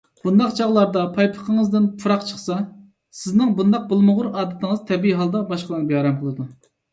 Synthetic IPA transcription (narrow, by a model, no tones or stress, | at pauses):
b̥und̪ɑqt͡ʃʰɑʁlˠɑɾd̪ɑpʰɑjpʰə̥qʰəŋəzd̪ɪnpʰuɾɑqt͡ʃʰəχsɑ | sɪznɪŋbund̪ɑq̚bɨlˠmʊʁʊɾɑːd̪ɪt̪ʰɪŋəz̥t̪ʰɛbiiɦɑlˠd̪ɑbɑʃqəlˠɨnbjɑːɾɛmqʰəlˠɨd̪u